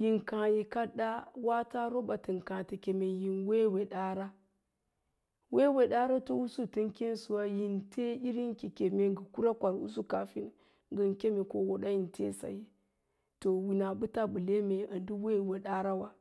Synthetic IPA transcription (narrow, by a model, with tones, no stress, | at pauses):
ji˨ŋkã˨ji˨ka˦ɗa˦wa˦ta˦ɾo˦ɓa˨ti˨ŋkã˨te˨ke˨me˨ji˨nwe˦we˨ɗa˦ɾa˦ | we˦we˨ɗa˦ɾa˦to˦u˦su˦tɨ˦ŋkʲe˦n˦su˨wa˦ji˨ntʰe˦i˦ɾi˦ŋkʲi˨kʲe˨me˦ŋɡə˨ku˦ɾa˦kʷa˨ɾṵ˦s̬u˦ka˨fi˦n˨ | ŋɡə˨nkʲe˦me˨ko˦wo˨ɗa˦ji˨ntʰḛ˦sa̰˨ji˦ | to˨wi˨na˨ɓɨ˦ta˦bɨ˨le˦me˨a˨ndu˦we˦˨we˨ɗa˦ɾa˦wa˦